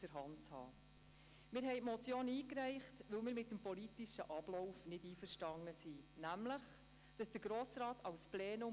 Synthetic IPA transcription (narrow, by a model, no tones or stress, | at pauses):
d̥əɾɦɑntt͡shɑ̰ː | mɪːɾɦɛɪmɔt͡sjoːniːkɾɛɪχtʋɵlmɪːɾmɪt̚ːəmpɔlitiʃəʔɑb̥lɔwfnɪdiːfərʃtɑŋːəsinæmləχ | d̥ɑsd̥əɾɡ̥ɾoːsɾɑːtʰɑlsplɛːnʊ